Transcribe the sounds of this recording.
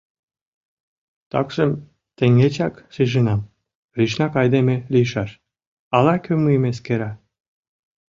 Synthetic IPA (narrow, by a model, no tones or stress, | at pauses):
t̪ɑ̰ksəm | t̪eŋet͡ɕɑkʃiʒɯnɑm | riʃnɑkɑjd̪emeliʃɑʃ | ɑlɑkʰømɯjmeskeɾɑ